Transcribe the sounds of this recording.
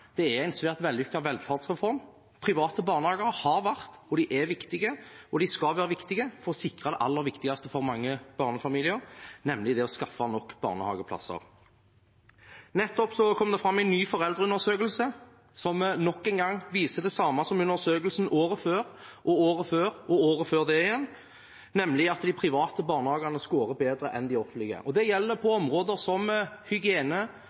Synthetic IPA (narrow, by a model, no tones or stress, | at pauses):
d̪̥ɛææɪnsʋæːʁt̪ʋɛlːʏkːɑʋɛlfɑʁd̪sʁɛfɔɾm | pʰʁɪʋɑːt̪əbɑːʁnəhɑːɡəʁəhɑʁʋæʁt̪ɔd̪ɪʔɛʋɪkt̪ɪɡəɔd̪ɪskɑʋæːɾʁəʋɪkt̪ɪɡəfɔɾɔsɪkʁɑd̪ɛʔɑlːəɾʋɪkt̪ɪɡɑst̪əfɔʁmɑŋːəb̥ɑːʁnəfɑmiːlɪəʁnɛmlɪd̪ɛɔskɑfːɑnɔkːbɑ̰ːʁnəhɑ̰ːɡəpʰlɑ̰sːə̰ʁ | nɛt̪ːɔpsɔkʰɔmd̪ɛfʁɑmːæɪnːyːfɔʁɛld̪ɾəʉnəsøːkəlsə | sɔmnɔkːɛnɡɑŋːʋiːsəd̪ɛsɑːmɑsɔmʉnːəsøːkəlsn̩oːʁəføːʁʔɔoːʁəføːʁɔoːʁəføːʁd̪ɛɪjɛnː | nɛmlɪɑt̪d̪ɪpʰʁɪʋɑːt̪əbɑːʁnəhɑːɡɑnəskoːɾəbeːd̪ɾəʔɛnd̪ɪɔfənt̪lɪɡə̰ʔɔd̪ɛjɛlːəpʰɔɔmʁoːd̪əsɔmhʏɡɪeːnə